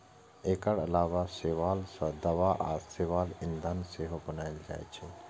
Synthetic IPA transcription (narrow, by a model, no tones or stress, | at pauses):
eːkəɾɐlaːʋaseʋaːlsəd̪ɐʋaʔaːseːʋaːlɪnd̪ʱanseːɦobənaːɪld͡ʒa̰ːjt͡ʃʰɛ